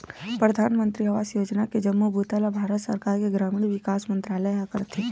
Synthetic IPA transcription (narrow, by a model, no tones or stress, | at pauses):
pɾəd̪ʱaːnmə̃nt̪ɾiɦəʋasjoːd͡ʒnaked͡ʒəmːubut̪alabʱaːɾət̪sə̰ɾkaːɾkeɡɾaːmiɳʋɪkaːsmə̃nt̪ɾaːləakəɾət̪ɦe